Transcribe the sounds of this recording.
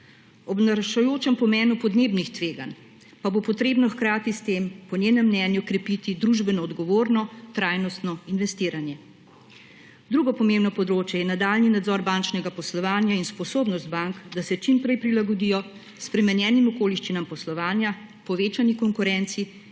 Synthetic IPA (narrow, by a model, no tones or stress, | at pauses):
ɔbnaɾʃajoːt͡ʃɛmpɔmɛːnupɔd̪neːbnixt̪ʋeːɡa̰n | pabopɔt̪ɾeːbnɔxkɾaːt̪ist̪eːmpɔnʲjeːnɛmːnɛnjukɾɛpit̪id̪ɾuʒbɛnɔːd̪ɡɔʋoːɾnɔt̪ɾaːjnɔst̪nɔinʋɛst̪iːɾanjɛ | d̪ɾuːɡɔpɔmemnɔpɔd̪ɾoːt͡ʃjɛjɛnad̪aːlninad̪zɔɾbant͡ʃnɛɡapɔslɔʋaːnjainspɔsoːbnɔst̪̚baŋkd̪asɛt͡ʃimpɾɛjpɾilaɡɔd̪iːjɔ | spɾɛmɛnjɛːnimɔkoːliʃt͡ʃinampɔslɔʋaːnja | pɔʋeːt͡ʃanikɔŋkuɾɛnt̪si